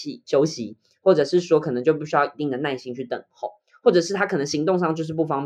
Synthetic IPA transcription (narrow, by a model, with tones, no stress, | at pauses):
i˨˩t͡ɕjo˦˥ʊɕi˧˦ | wɔ˥˩ʈ͡ʂɤ˨˩ʂɻ̩˥˩swɔ˥kʰɤ˨˩nə˧˦ŋt͡ɕjʊpi˥˩ɕy˥jɑ˥˩i˧t̪i˥˩ŋd̪ə˩na˥˩ɪɕi˥ŋt͡ɕʰy˥˩t̪ə̰˨˩ŋxo˨˩˦ʊ | xwɔ˥˩ʈ͡ʂɤ˨˩ʂɻ̩˥˩t̪ʰa˥kʰɤ˨˩nə˧˦ŋɕi˧˥ŋt̪ʊ˥˧ŋʂɑ˥˧ŋt͡ɕjo˥˧ʊʂ̬ɻ̩˥˧pu˥˩fɑ˥ŋp